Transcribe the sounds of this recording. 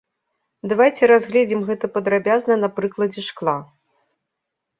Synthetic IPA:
d̪avajt͡sʲɛɾazɣlʲɛd͡zʲimɣɛt̪ɐpɐd̪ɾabʲaznɐnapɾɨklˠɐd͡zʲɛʂklˠa

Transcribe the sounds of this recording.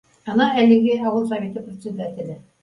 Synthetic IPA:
ɑnɑælɘ̆ɡɘɑwɤlˠs̬ɐvʲe̞t̪ɤprʲɪt̪sʲed̪æt̪ʲɪ̆lɘ

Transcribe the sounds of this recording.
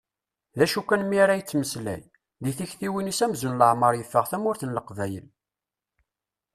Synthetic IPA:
ðæʃukʷːænmiaɾæjət͡sːməslæ̰j | ðiθiçθiwinisæmzunləʕməɾˤjəfːəʁθæmʊɾθənləqvæjə̰l

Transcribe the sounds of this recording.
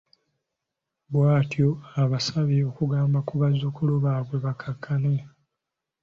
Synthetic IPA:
bwaːtjo̞aβasaβio̞kuɡaːmbakuβazukuluβaːβwe̞βakʰakʰːane

